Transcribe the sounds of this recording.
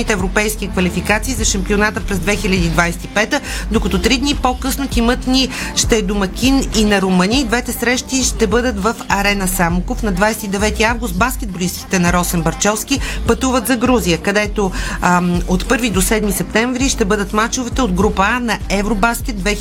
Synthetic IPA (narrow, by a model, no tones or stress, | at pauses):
it̪ɛːvɾopɛjsk̟ʲikvɐlifikat̪siːzɐʃɐmpionat̪əpɾɛzd̪vɛxilʲəd̪iːd̪vajsɛ̥t̪ipɛt̪əd̪okɐt̪ot̪ɾid̪nipokɤsnot̪ʲimət̪niʃt̪ɛd̪omɐkʲininɐɾomɤniːd̪vɛt̪ɛsɾɛʃt̪iʃt̪ɛbɤd̪ət̪vəfɐɾɛnəsamukofnɐd̪vajsɛt̪id̪ɛvɛt̪iavɡʊst̪̚baskʲɛd̪̚boliskʲi̥t̪ɛnɐɾɔsɛnbɐɾt͡ʃɔfskʲipɐt̪uvət̪zɐɡɾuzijəkɐd̪ɛt̪o | ot̪pɤɾvid̪osɛd̪misɛp̚t̪ɛɱvɾiʃt̪ɛbɤd̪ət̪mat͡ʃovɛt̪ɛod̪ɡɾupəanɐɛvɾobaskʲɛt̪̚d̪vɛ